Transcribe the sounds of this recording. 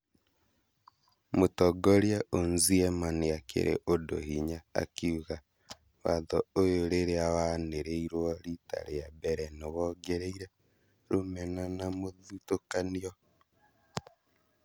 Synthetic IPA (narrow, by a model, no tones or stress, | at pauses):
motɔɡɔɾjaʔonziɛmaniakʰḛɾʔḛʔodo̰hiɲaa̰kiuɣa | waðɔojoɾeɾeawaneɾeiɾwɔɾita̰ɾejabɛɾɛnewɔɡeɾeiɾɛ | ɾomɛnanamoðutokaniɔ